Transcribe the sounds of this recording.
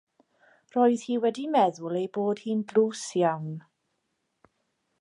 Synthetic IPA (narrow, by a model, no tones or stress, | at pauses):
roːɨð̥hiːwɛdimɛðʊlˠejboːd̥hiːnbluːsjawn